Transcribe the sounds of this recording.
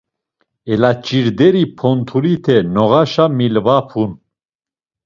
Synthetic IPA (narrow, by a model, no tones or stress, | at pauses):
ɛlat͡ʃʼiɾd̪ɛɾipʰɔnt̪ʰulit̪ʰɛnɔʁaʃamilvapʰun